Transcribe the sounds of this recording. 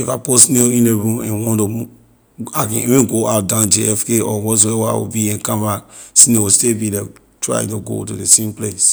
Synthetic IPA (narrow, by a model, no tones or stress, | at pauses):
ifaposneĩneɹũmɛ̰̃nwɔ̃nto | akɛ̃ivĩnɡoaʊt̚dãnd͡ʒeɛfkeɔwɔ̃s̬wewa̰wṵbiɛ̃kãvasinewustebilɛ | tɹa̰ḭ̃ntuɡo̰tudesẽmples